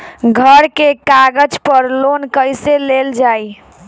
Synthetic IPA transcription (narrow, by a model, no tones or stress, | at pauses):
ɡʱəɾkekaɡəd͡ʒpəɾlonkəjseleld͡ʒaj